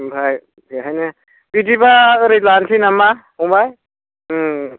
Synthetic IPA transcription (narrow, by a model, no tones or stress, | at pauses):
bʱaj | iɦajnɯ | pidibaɾitlansʰinamba | ũbaj